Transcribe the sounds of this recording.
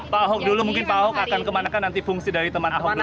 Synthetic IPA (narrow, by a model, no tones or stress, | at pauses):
paaɦɔk̚dulumuŋkɪnpaɦɔkakankəmanakanːant̪ifuŋsidaɾit̪əmanaɦɔkdu